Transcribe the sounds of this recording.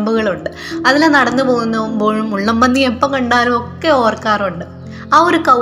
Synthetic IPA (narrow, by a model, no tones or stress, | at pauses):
mbuɣɐɭuɳɖɨ | ɐðilenɐɽɐnːɨpo̞ːɣunːɐʋumbo̞ːɻumuɭːɐmbɐnːiepːɐmkɐɳɖaːlumo̞kːe̞o̞ːrkaːruɳɖɨ | aːoɾukɐ